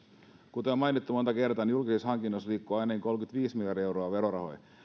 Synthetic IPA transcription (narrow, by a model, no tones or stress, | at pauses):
kut̪eomɑjnit̪ːumot̪ɑkert̪ɑːnjulkisishɑŋkinːosliːkːuɑjnɑkiŋko̞lkyt̪ʋiːsmiljɑrdiewɾoɑʋeɾoɾɑho̞̰j